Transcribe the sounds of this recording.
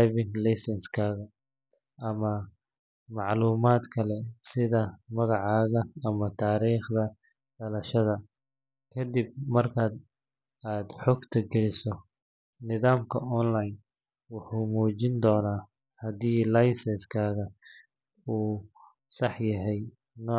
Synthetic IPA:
ajβɪŋlijsɛnskʰaːɣɐ | ʔɐmɐ | mɑʕluːmaːd̪kʰɐlɛsɪðɐmɐɣɑʕaːɣɐːmɐt̪ʰaːɾiːχd̪ɐ | ɖ̥ɐlɐʃɐðɐ | kʰɐd̪ib̚mɐrkʰaːd̪ | aːd̪ħɔɡt̪ʰɐɡɛlɪsɔ | nɪðaːmkʰɐʔɔnlajn | wʊħuːmuːt͡ʃɪnd̪ɔːnaː | hɐðiːlajsɛnskʰaːɣɐ | uː | sɑħjɐɦɛj | nɔː

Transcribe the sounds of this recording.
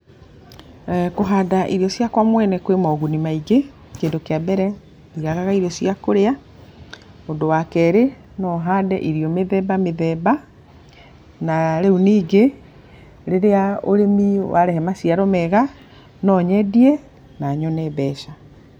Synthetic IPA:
koɦaːdaʔiɾiɔsjakwamwɛnɛkwemɔɣunimaiɡe | keːndokeabɛɾɛ | iɾaɣaɣaiɾiɔsiakoɾea | ondowakɛɾe | nɔɦadɛ̰ʔiɾiɔmeðɛbameðɛba | naɾeuniːɡe | ɾeɾeaoɾemiwaɾɛhɛmasiaɾɔmɛɣa | nɔɲɛdiɛ | naɲɔnɛbɛːʃa

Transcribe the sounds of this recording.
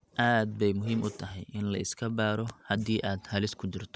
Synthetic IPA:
ʔaːd̪̚bɛjmʊɦiːmʊt̪ʰɐɦɛ̰jʔɪnlɐ̰ɪskʰɐbaːɾɔhɐd̪iːʔaːd̪hɐlɪskʰʊt͡ʃɪrt̪ʰɔ̥

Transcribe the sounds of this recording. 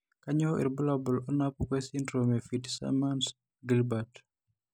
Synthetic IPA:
kaɲɔʔḭɾbulabɔlɔnapukwɛsintɾomefitsa̰mans | ɡilbat

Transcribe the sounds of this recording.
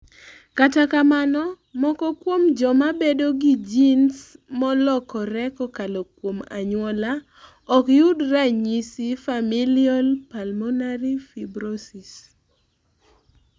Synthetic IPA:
katakamanɔ | mɔkɔkwomd͡ʒɔmabedoɡid͡ʒinsmɔlɔkɔɾɛkɔkalokwoma̰ɲwɔla | ɔkjʊdɾaɲisifamiljɔlpalmɔnaɾifibɾosis

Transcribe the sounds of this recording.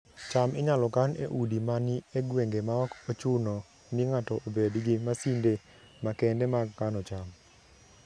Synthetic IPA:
t͡ʃamʔɪɲalɔkanḛʔudimanieɡweŋɡemaot͡ʃunɔ | nɪŋatɔʔobedɡimasinde | makɛndɛmaɡkanɔt͡ʃam

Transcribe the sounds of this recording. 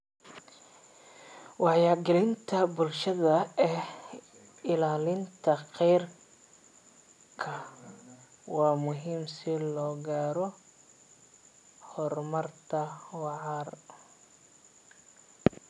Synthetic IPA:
wɑjaːɡɛlɪnt̪ʰɐbʊlʃɐðɐɛː | ɪlaːlɪnt̪ʰɐqɛjr | kʰɐ | wɑːmʊɦiːmsɪlɔːɡaːɾɔ | hɔrmɐrt̪ʰɐwɑʕɑr

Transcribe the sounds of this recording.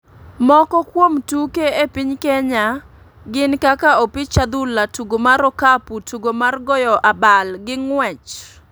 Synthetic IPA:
mɔkɔkwomtukeepiɲkɛɲa | ɡɪnkakaopɪt͡ʃad̪ulatuɡomaɾɔkaputuɡomarɡɔjɔʔabalɡɪŋwɛt͡ʃ

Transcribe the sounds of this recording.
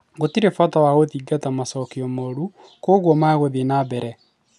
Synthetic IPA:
ɡotiɾefatawaɣotiɡatamasɔkiɔmoɾu | koɣwɔmaeɣoðenabɛɾɛ

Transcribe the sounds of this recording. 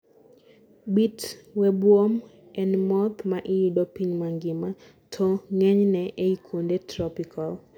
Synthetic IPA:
bitwɛbwom | ɛnmɔt̪maʔɪjudopiɲmaŋɡɪma | tʰɔŋɛɲnɛʔeikʰondetɾɔpikʰal

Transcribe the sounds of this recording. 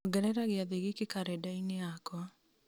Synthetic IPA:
ɡɛɾɛɾaɣeaðeɣekekaɾɛdaineakɔ

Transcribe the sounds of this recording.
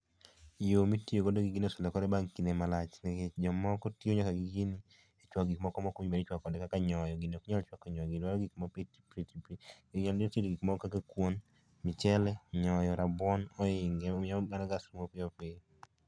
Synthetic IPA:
jomitjokodoɡiɡinɔswɛlɛkɔdɛbaŋkinemalat͡ʃneked͡ʒɔmɔkɔtjoɲɔkaɡiɡini | et͡ʃwaɡikmɔkɔmɔkuɲbanit͡ʃwakɔdɛkakaɲɔjɔɡinokɲalt͡ʃwakɔɲɔɡinwalɔɡikmɔpitipɾitipɾi | kɲaldot͡ʃedɡikmɔkakakwon | mit͡ʃɛlɛɲɔjɔɾabɔnɔɪŋɡɛmɪɔmanaɡasumopɪɔpe

